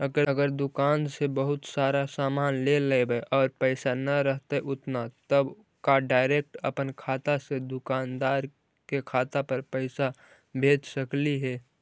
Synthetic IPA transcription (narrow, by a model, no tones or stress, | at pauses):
əɡəɾəɡəɾd̪ʊkaːnsebəɦʊt̪saːɾasaːmaːnleːlebeʔɔːɾpəɪsanɐɾəɦt̪eʔʊt̪nat̪əb | kaɖaːɪɾeːk̚ʈə̰pənkʰaːt̪ased̪ʊkaːnd̪aːɾ | kekʰaːt̪apəɾpəɪsa | bʱeːd͡ʒsəkliɦɛː